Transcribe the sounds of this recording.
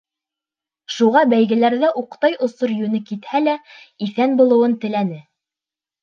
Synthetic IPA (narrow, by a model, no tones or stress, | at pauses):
ʃuʁɑbæjɡɘ̆læɾðæʔuqt̪ɑjŏsoɾjʉnɘkit̪hælæiθænbulˠŏwɤnt̪ɘ̆lænɘ